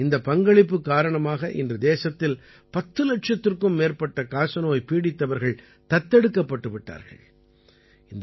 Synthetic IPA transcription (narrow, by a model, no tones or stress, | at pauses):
ɪnd̪ɐpɐŋɡɐɭɪpːɯkːaːɾɐɳɐmaːɣɐʔɪ̰ndrɐd̪eːsɐt̪ːɪl | pɐt̪ːɯlɐʈ̚t͡ʃɐt̪ːɪrkɯmːeːɾpɐʈːɐkaːsɐnoːjpiːɽɪt̪ːɐʋɐɾɣɐɭ | t̪ɐt̪ːɛɽɯkːɐpːɐʈːɯʋɪʈːa̰ːɾɣɐ̰ɭ | ɪnd̪